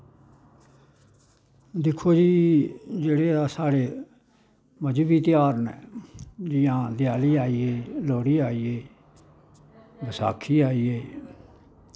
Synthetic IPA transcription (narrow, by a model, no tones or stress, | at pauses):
d̪ɪkʰːoːd͡ʒiːd͡ʒeːɽeːd̪aːsaːɽeː | məd͡ʒbiːt̪ɪjaːɾnɛ̰ːd͡ʒɪjãːd̪ɪjaːliːaːiːeːloːɽiːaːiːeː | bəsa̰ːkʰːiːaːiːeː